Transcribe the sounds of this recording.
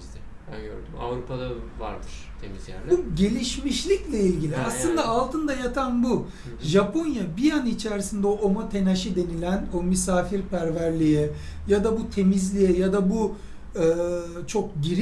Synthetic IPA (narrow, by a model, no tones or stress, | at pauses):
ɛbæ̰nɟø̰ɾd̪yma̰vɾupʰad̪ava̰ɾd̪ɯɾ̥t̪ʰemizjæ̰ɾlʲɟe̞lʲiʃmiʃlʲiclʲɛilʲɟilʲiaslˠɯnd̪aːlˠt̪ʰɯnd̪ajat̪ʰanbu | ʒapʰo̞njabijanit͡ʃʰæɾsind̪ɛoʔomot̪ʰe̞naʃid̪e̞nilʲæno̞mysaːfiɾpʰæɾvæɾlʲijɛ | jad̪abut̪ʰe̞mizlʲijɛjad̪abu | ɯːt͡ʃʰo̞k̚ɟiɾ